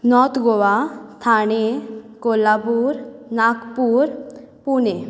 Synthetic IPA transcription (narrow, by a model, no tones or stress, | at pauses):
nɔt̪ɡoʋat̪ʰaɽekolabuɾnakpuɾ | pune